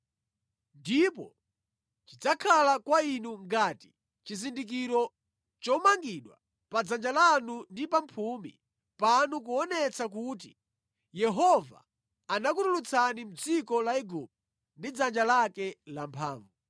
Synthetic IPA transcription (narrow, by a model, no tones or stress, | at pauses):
ndipɔ | t͡ʃid͡zakʰalakwainuŋɡaːti̥ | t͡ʃizindik̬iɾɔ | t͡ʃɔmaŋɡiɗwa | pad͡zand͡ʒalanundipampʰumḭ | panukuɔnɛt͡sak̬ut̬i | jɛɦɔva̰ː | nakutulut͡sʰanim̩d͡zikɔlaiɡup̚t | ndid͡zand͡ʒalakɛlampʰa̰ːɱvu